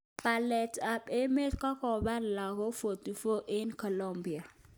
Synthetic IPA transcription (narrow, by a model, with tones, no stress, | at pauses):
pa˨lɛ˨ta˨pe˦me˦tkɔ˦kɔ˨ba˦n˨la˨ko˦fo˨tu˨fo˦ʔi˦nkɔ˨lɔ˦mbi˨a˨